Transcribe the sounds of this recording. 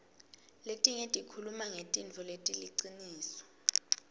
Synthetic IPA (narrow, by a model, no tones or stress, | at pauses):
letʼiŋetʼikʰulumaŋetʼint͡fʰɔletʼiliǀiniːsɔ̥